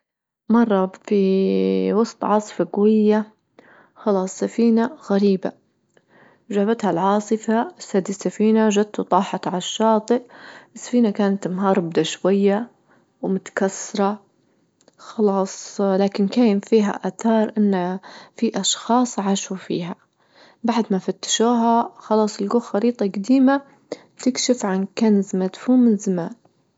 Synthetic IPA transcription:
mɑrˤːɑbfi | wɑsˤt̪ˤʕɑːsˤɨ̥faɡwɪjːa | xɑlɑːsˤːafiːnaɣaɾiːba | ʒaːbat̪halʕɑːsˤɨfasad̪isːafiːnaʒad̪̚t̪ut̪ˤɑːħɑt̪ʕalʃːɑːt̪ˤɨʔɪsːḁfiːnakaːnat̪mɦɑːɾˤbd̪aʃwajːa | wmʊt̪ḁkasːɑɾˤɑ | xɑlɑːsˤlaːkɪnkaːjɪmfiːɦa̰ʔaːθɑːɾˤʔɪnːafiʔɑʃxɑːsˤʕaʃufḭːɦa | baʕd̪mafat̪ːḁʃuːɦaxɑlɑːsˤɪlɡoːxɑɾiːt̪ˤɑɡad̪iːma | t̪ɪkʃɪfʕankanzmad̪huːmɪnzamaːn

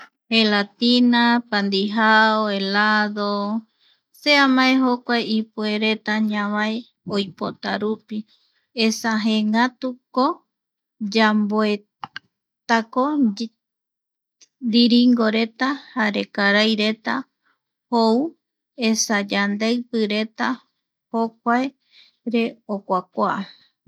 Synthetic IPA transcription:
helat̪inapand̪iɦaoelaðo | seamãeɦokʷajipue̞ɾe̞t̪aɲãβae | ojpot̪aɾupi | esaɦẽŋat̪uko | d͡ʒamboe | t̪ako | ɾiɾiŋɡoɾe̞t̪ahaɾe̞kaɾajɾe̞t̪a | hou | esad͡ʒand̪eɨpɨɾe̞t̪a | hok̚ʷae | ɾe̞okʷak̚ʷaː

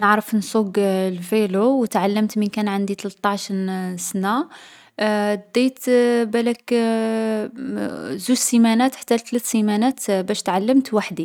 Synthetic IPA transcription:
nəʕɾəfnsuɡlfelowt̪ʕalːəmt̪mənkænʕand̪it̪lt̪ˤːɑʕʃɾsna | d̪ijt̪bælæk | zuʒsimænæt̪ħḁt̪ːælt̪læt̪simænæt̪bæʃt̪ʕalːəmt̪waħd̪i

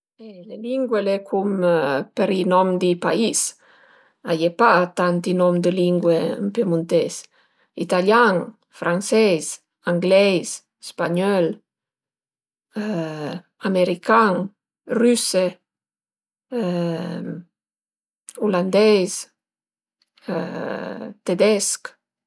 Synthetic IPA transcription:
eleliŋɡwelekʰumpeɾinɔmd̪ipais | ajepat̪ant̪inɔmd̪əliŋɡweə̰mpemunt̪es | it̪aljaŋ | fɾʔansɛjs | aŋɡlɛjs | spaɲɔl | ameɾikaŋ | ryse | uland̪ɛjs | t̪ed̪ɛsk

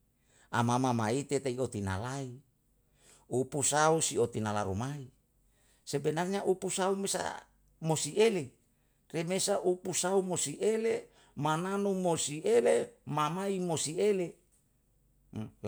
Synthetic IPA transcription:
a̰mamamait̪et̪eiot̪ina̰lai | upusausiot̪inalaɾumai | sebenarɲaʔupusaumesa̰ | mosiele | remesaʔupusaumosiʔele | mananumosielemamaimosiele

